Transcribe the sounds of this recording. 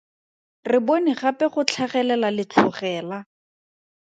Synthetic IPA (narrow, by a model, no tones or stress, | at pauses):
rɪbonɪχapɛχʊt͡ɬʰaχɛlɛlalɪt͡ɬʰʊχɛːla